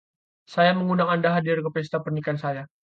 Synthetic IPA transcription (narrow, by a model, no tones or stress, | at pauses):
sajaməŋunaŋandaɦadɪrkəpɛst̪apərnikansaja